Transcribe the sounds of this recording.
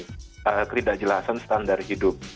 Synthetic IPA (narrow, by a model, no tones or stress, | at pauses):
əkət̪idaʔd͡ʒəlasansə̥t̪andarhidʊp̚